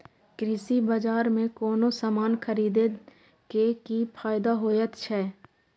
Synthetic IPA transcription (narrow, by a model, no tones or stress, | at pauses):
kɾɪsibəd͡ʒaːɾmẽkɔːnosaːmaːnxʰəɾiːd̪e | kekipʰaːɪd̪aɦoːjət̪t͡ʃʰɛː